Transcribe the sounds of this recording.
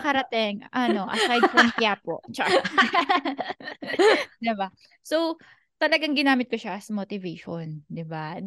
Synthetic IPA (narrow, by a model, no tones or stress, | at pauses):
kɐɾɐt̪ɪŋʔɐno̞ʔɐ̰sajdfɾɐnkjaːpo̰t͡ʃɐka | d̪ɪba | sow | t̪ɐlɐɡaŋɡɪnaːmɪt̪̚koʃaʔɐsmot̪ɪvɛjʃond̪ɪba